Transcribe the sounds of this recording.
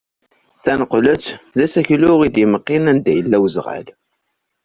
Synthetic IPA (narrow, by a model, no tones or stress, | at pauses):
θænəqːlət͡sːðæsæçlʊʁid̪jəməqːinænd̪æjəlːæwəzʁæ̰l